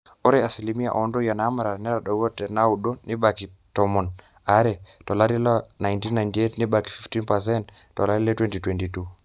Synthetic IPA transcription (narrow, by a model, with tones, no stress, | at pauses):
o˦ɾɛa˨si˨li˨mi˦a̰ʔɔ˨ndo˦ja˨na˦ma˨ɾa˨n˦a˦ɾa˨ɗɔ˨wɔ˦tɛ˨na˦uɗo˦ni˦ba˨ki˨ | tɔmɔ˨n | a˦ɾɛ˨tɔ˨la˦ɾi˦lɔ˦na˨jnti˦nːa˨inti˨etni˦baki̥˨fi˦fti˦npa˨s̬ɛnttːɔ˨la˦ɾi˦lɛ˦twɛ˦nti˨twɛntitu˦